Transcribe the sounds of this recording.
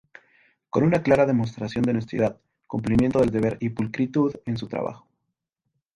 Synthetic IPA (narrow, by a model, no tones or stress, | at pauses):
ko̞nunaklaɾaðe̞most̪ɾasjo̞nd̪enest̪jeðað | kumplimjent̪o̞ð̞e̞ld̪e̞β̞e̞ɾipulkɾit̪uðe̞nsut̪ɾa̰βa̰xo̥